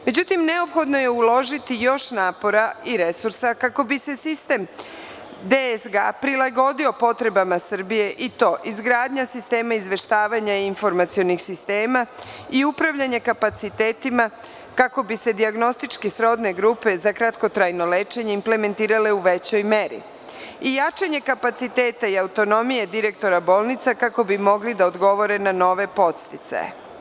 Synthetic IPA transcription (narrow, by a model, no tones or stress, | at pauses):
me̞d͡ʑut̪imne̞o̞pxo̞d̪no̞je̞ulo̞ʒit̪ijo̞ʃnaːpo̞ɾaiɾe̞suɾsakako̞bise̞sist̪e̞m | d̪esɡa̰pɾilaɡo̞d̪io̞po̞t̪ɾe̞bamasr̩bije̞ʔit̪o̞ːʔizɡɾaːd̪ɲasist̪e̞ːmaizʋe̞ʃt̪aːʋaɲainfo̞ɾmat̪sio̞nixsist̪e̞ːmaiupɾaʋʎaɲekapat̪sit̪e̞ːt̪ima | kako̞bise̞d̪iaɡno̞st̪it͡ʃkesɾo̞d̪ne̞ɡɾuːpe̞zakɾat̪ko̞t̪ɾajno̞leːt͡ʃe̞ɲeimple̞me̞nt̪iːɾale̞uʋe̞t͡ɕo̞jme̞ɾḭ | ijat͡ʃaɲe̞kapat̪sit̪e̞ːt̪aiaut̪o̞no̞mije̞d̪iɾe̞k̚t̪o̞ɾabo̞ːlˠnit̪sakako̞bimo̞ɡlid̪aod̪ɡo̞ʋo̞ɾe̞nano̞ʋe̞po̞t̪st̪it̪sa̰jḛ